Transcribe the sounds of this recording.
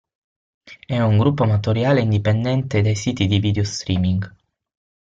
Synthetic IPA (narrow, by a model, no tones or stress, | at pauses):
ɛuŋɡɾupːomat̪oɾjaːleind̪ipend̪ɛnt̪ed̪ejsiːt̪id̪ivid̪eost̪ɾiːmiŋɡ